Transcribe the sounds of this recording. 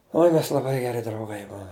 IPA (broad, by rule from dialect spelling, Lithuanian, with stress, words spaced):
ˈoːɪ mʲɛs lˠɐˈbɐɪ ɡʲɛˈrʲɪ drɐʊˈɡɐɪ ˈbuɔm